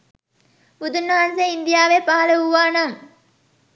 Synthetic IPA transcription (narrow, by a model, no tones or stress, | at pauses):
ud̪unːɐɦanseind̪ijaːʋepaɦɐlɐɦuʋaːnaŋ